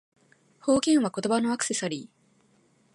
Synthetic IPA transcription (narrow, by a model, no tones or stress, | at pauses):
ho̞ːkẽ̞ɰ̃βako̞t̪o̞bano̞akɯ̟̥se̞saɾʲiː